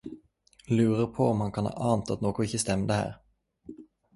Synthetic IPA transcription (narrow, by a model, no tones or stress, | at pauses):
lʉːɾəɾpʰɔɔmhankʰanhɑ̰ːɾʔɑːnt̪at̪noːɡʊɪçːəst̪ɛmd̪əhæ̰ːɾ